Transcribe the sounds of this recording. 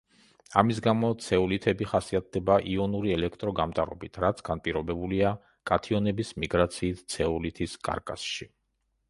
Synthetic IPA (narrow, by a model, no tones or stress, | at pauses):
amis̬ɡamɔt̪sʰɛulit̪ʰɛbiχasiat̪̚d̪ɛbaʔiɔnuɾiɛlɛkʰt̪ʼɾɔɡamt̪ʼaɾɔbit̪ʰɾat̪sʰɡ̥anpʼiɾɔbɛbulia | kʼat̪ʰiɔnɛbismiɡɾat̪sʰiːt̪ʰt̪sʰɛulit̪ʰiskʼa̰ɾkʼa̰sʃi